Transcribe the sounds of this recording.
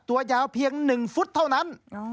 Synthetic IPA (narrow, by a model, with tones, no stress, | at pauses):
t̪u˨˦əzaː˨˧˦wpʰi˧əŋnɨ˨˩ŋfu˦˥t̚t̪ʰə˧wna˨˧˥n